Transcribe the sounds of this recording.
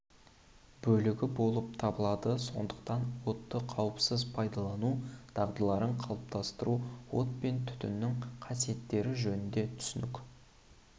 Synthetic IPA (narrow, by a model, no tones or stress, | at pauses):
bɵlɪɡʲɪbo̞lˠəp̚t̪ʰɑbəlˠɑd̪əso̞̰nd̪əq̚t̪ɑnwo̞t̪ːəqʰɑwəpsəzpʰɑjd̪ɑlˠɑnud̪̥ɑʁd̪əlˠɑɾəɴqʰɑlˠəp̚t̪ɑst̪əɾuwo̞̰t̪̚pe̞nt̪ʰʏ̥t̪ɪ̰nːɪŋqʰɑsije̞t̪ːe̞ɾɪʒɵnɪnd̪e̞t̪ʰʏ̥sʏnɪkʲ